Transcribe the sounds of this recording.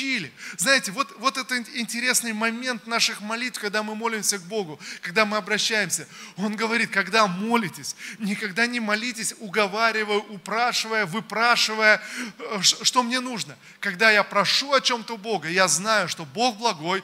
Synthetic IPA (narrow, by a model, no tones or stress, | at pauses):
ilʲɪznajɪtʲɪvo̞t̪vo̞t̪ɛt̪əɪnʲtʲɪɾʲe̞snɨjmɐmʲe̞nt̪naʂɨxmɐlʲit̪fkɐɡ̚d̪amɨmo̞lʲɪmsʲəɡ̚bo̞ɡʊkɐɡ̚d̪amɨɐbɾɐɕːæjɪmsʲəo̞nɡəvɐɾʲit̪̚kɐɡd̪amo̞lʲɪtʲɪsʲnʲɪkɐɡd̪anʲɪmɐlʲitʲɪsʲʊɡɐvaɾʲɪvəjʊʔʊpɾaʂɨvəjəvɨpɾaʂɨvəjəʂʂt̪o̞mnʲe̞nuʐnə | kɐɡd̪ajapɾɐʂuɐt͡ɕo̞mt̪əʊbo̞ɡəjaznajʊʂt̪o̞bo̞xblˠɐɡo̞j